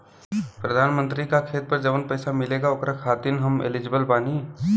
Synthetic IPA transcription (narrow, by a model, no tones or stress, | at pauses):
pɾəd̪ʱaːnmə̃nt̪ɾikakʰeːt̪̚pɐɾd͡ʒɐʋənpɛɪsamɪleːɡaokɾakʰaːt̪ɪnɦɐmḛlɪd͡ʒɪbəlbaːni